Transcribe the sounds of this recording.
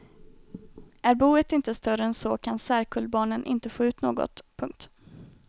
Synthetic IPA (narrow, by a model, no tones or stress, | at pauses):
æɾbuːət̪ɪnt̪əst̪œɾəɛnsɔkʰansæːɾkʰɵlbɑːɳənʔɪ̰nt̪əfoːʉ̟ːt̪noːɡɔ̰t̪pʰɵŋk̚t̪